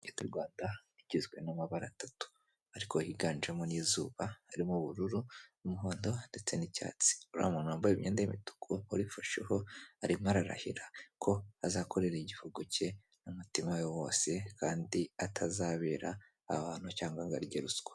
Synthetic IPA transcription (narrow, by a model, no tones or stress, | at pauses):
etuɾɡwaːndaiɟizɡwe̞namaβaɾatatu̥ | aɾiko̞hiɡaːnd͡ʒemoniːzuːβaːɾimuβuɾuɾunumuɦo̞ːndo̞nde̞t͡se̞nica̰ːt͡si̥uɾa̰munaːmbajiβiɲeːndajimitu̥kʰouɾifoʃiho̞aɾimaɾaɾa̰hiɾakʰo̞azaːkʰoɾe̞ɾeiɟifoɡoce̞ | numutimajowo̞̰ːse̞kʰaːndiatʰazaːβeːɾa̰ː | haːn̥hucaːŋɡaŋɡaɾɟeɾusu̥ɡḁ